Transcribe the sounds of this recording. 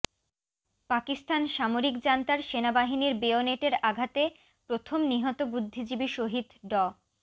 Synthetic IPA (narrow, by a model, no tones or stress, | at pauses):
pakist̪anʃamoɾikd͡ʑant̪aɾʃenabaɦiniɾbeoneʈeɾaɡʱat̪e | pɾot̪ʰomniɦɔt̪obud̪ʱːid͡ʑibiʃoɦid̪ɖɔ